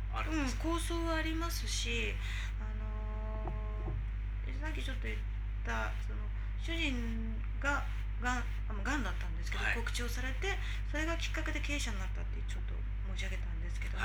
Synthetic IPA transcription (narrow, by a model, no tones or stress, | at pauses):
ɯ̟̃ɴko̞ːso̞ːβaːɾʲimasɨɕi | ano̞ | sakʲit͡ɕo̞t̪ːo̞jiɯtː | a | so̞no̞ | ɕɨʑĩŋ | ɡa | ɡã | amːaɡãnd̪at̪ːãnd̪e̞sɨ̥ke̞d̪oko̞kɯ̟̥t͡ɕio̞ːsaɾe̞t̪e̞ | so̞ɾe̞ɡakʲi̥kːake̞d̪e̞ke̞ːɕanːat̪ːat̪ːet͡ɕo̞t̪ːo̞̰ | mo̞ːɕiaɡe̞t̪ãnd̪e̞sɨ̥ke̞d̪o̞